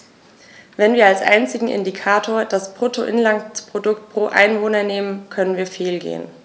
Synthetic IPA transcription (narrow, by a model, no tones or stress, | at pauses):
vɛnviːɐalsʔa̰ɪnt͡sɪɡŋ̩ʔɪ̰ndikʰaːtʰoːɐd̥aspʁ̥otʰoʔɪnlantpʁ̥odʊktpʁ̥oːʔa̰ɪnvoːnɐneːmənkʰœnənviːɐfeːlɡḛːən